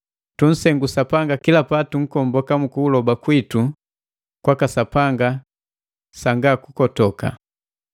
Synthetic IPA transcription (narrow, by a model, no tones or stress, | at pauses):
tun̩sɛŋɡusapaŋɡakilapatuŋ̩kɔmbɔkamukuːlɔbakwitu | kwakasapaŋɡa | saŋɡakukɔtɔka̰